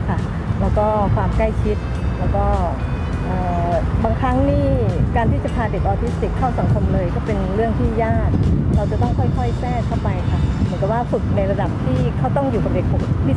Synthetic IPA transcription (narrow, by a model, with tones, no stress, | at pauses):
kʰa˥˩ | lɛː˦˥wkɔː˥˩kʰwaː˧mkla˥˩jt͡ɕʰi˦˥t̪̚ | lɛː˦˥wkɔː˥˩ | ʔɤː˨˩baː˧ŋkʰɾa˦˥ŋniː˥˩kaː˧nt̪ʰiː˥˩t͡ɕa˨˩pʰaː˧de˨˩k̚ʔɔː˧t̪ʰi˦˥st̪i˨˩k̪ʰːa˥˩sa˨˩˦ŋkʰo˧mlɤː˧jkɔː˥˩pe˧nɾɯ˥˩əŋt̪ʰiː˥˩jaː˥˩k̚ɾa˧wt͡ɕa˨˩t̪ɔ˥˩ŋkʰɔ˥˩jkʰɔ˥˩jsɛː˥˩t̪ʰa˥˩wpa˧jkʰa˥˩mɯ˩˦nka˨˩p̚waː˥˩fɯ˨˩k̚na˧jɾa˧da˨˩p̚t̪ʰiː˥˩kʰa˥˩wt̪ɔ˥˩ŋjuː˨˩ka˨˩de˨˩k̚ʰo˩˦i˦˥˩